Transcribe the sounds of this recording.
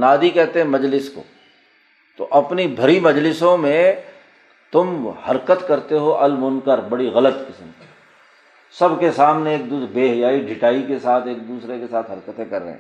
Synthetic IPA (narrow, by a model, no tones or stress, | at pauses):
naːd̪ikɛɦt̪ẽɦɛ̃mɐd͡ʒlɪsko̰ː | t̪o̰ʔɐpnibʱɐɾimɐd͡ʒlɪsõmẽ | t̪ʊmhɐɾkət̪kɐɾt̪eɦoʔɐlmʊnkəɾbɐɽiɣɐlət̪kɪsəmki̥ | sɐbkesaːmneeːk̚d̪uːbeːɦjaːiɖʱɪʈaːikesaːt̪ʰeːk̚d̪uːsɾekesaːt̪ʰɦɐɾkət̪ẽkɐɾːə̰ɦɛ̰̃ː